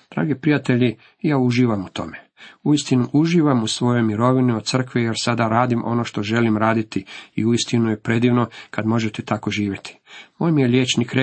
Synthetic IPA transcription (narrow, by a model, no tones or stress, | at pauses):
d̪̥ɾa̰ːɡepɾijat̪e̞ʎi | jaːuʒiːʋamut̪o̞̰meuist̪inuʔuʒiːʋamusʋo̞jo̞jmiɾo̞ʋinio̞d̪̚sr̩kʋejeɾsad̪aɾaːd̪imʔo̞̰no̞ʃt̪o̞ʒe̞limɾaːd̪it̪iḭuist̪inujepɾe̞d̪iːʋno̞kad̪mo̞ʒet̪et̪ako̞ʒiːʋʲje̞t̪ʰi̥moːjmije̞ʎʲjeːt͡ʃnikɾe